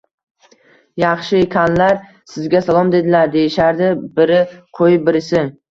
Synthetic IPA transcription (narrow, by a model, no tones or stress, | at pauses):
jɑχʃɪkʲʰanlaɾ | sɪzɡʲasalˠɒmd̪e̞d̪ɪlaɾd̪e̞jɪʃaɾd̪ɪbɪɾɪqʰojɪp̚bɪɾɪsɪ